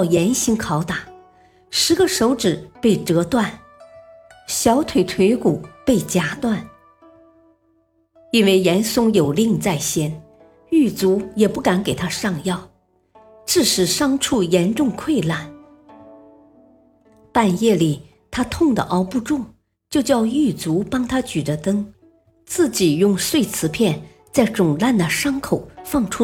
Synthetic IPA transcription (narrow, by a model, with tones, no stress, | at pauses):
ʊjɛ˧˥nɕi˧˥ŋkʰɑ˧˥ʊt̪a˨˩˦ | ʂɻ̩˧˥ɡə˧ʂo˧˥ʊʈ͡ʂɻ̩˨˩pe˥˩ɪʈ͡ʂɤ˧˥t̪wa˥˩n | ɕjɑ˧˥ʊt̪ʰwe˨˩ɪt̪ʰwe˧˥ɪku˨˩˦pe˥˩ɪt͡ɕja˥t̪wa˥˩n | i˥nwe˥˩ɪjɛ˧˥nsʊ˥˩ŋjo˨˩ʊli˥˧ŋt͡sa˥˩ɪɕjɛ˥n | y˥˩t͡su˧˥jɛ˨˩pu˥˩ka˧˥nke˨˩ɪt̪ʰa˥ʂɑ˥˧ŋjɑ˥˩ʊ | ʈ͡ʂɻ̩˥˩ʂɻ̩˨˩ʂɑ˥ŋʈ͡ʂʰu˥˩jɛ˧˥nʈ͡ʂʊ˥˧ŋkʰwe˥˧ɪla˥˩n | pa˥˧njɛ˥˩li˨˩ | t̪ʰa˥t̪ʰʊ˥˩ŋd̪ə̰˩ʔɑ˥ʊpu˥˧ʈ͡ʂʊ˥˩ŋ | t͡ɕjo˥˧ʊt͡ɕjɑ˥˧ʊy˥˩t͡su˧˥pɑ˥ŋt̪ʰa˥t͡ɕy˨˩də˦t̪ɤ˥ŋ | t͡sɹ̩˥˩t͡ɕi˨˩jʊ˥˧ŋʂwe˥˩ɪt͡sʰɹ̩˧˥pʰjɛ˥˧n | t͡sa˥˩ɪʈ͡ʂʊ˨˩ŋla˥˩nd̪ə˩ʂɑ˥ŋkʰo˨˩ʊfɑ˥˩ŋʈ͡ʂʰu˥